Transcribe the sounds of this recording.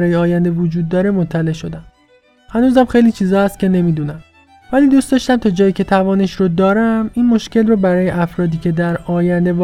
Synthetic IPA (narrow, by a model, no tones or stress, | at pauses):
ɾɒːjeɒːjænd̪evod͡ʒuːd̪ːɒːɾe̞mot̪ʰːæle̞ʔʃo̞d̪æm | hænuːzæmxe̞jliːt͡ʃʰiːzɒːhæst̪̚cʲe̞ne̞miːd̪uːnæm | væliːd̪uːst̪d̪ɒːʃt̪æmt̪ʰɒːd͡ʒɒːjiːcʰe̞t̪ʰævɒːneʃɾod̪ɒːɾæminmo̞ʃcʰe̞lrobæɾɒːjeʔæfɾɒːd̪iːcʰe̞d̪æɾɒːjænd̪e̞v